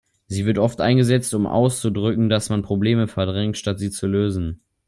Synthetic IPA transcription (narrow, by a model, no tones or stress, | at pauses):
ziːvɪɐtʔɔftʔa̰ɪnɡəzɛt͡stʊmʔa̰ʊst͡sudʁʏkŋ̩dasmanpʁ̥obleːməfɛɐdʁɛŋtʃtatz̥iːt͡suløːzn̩